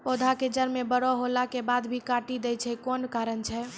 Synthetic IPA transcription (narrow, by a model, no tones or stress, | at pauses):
pod̪ʱaked͡ʒəɾmebəɽɔɦolakebad̪bʱikaʈid̪ɛjt͡ʃʰɛkonkaɾənt͡ʃʰɛ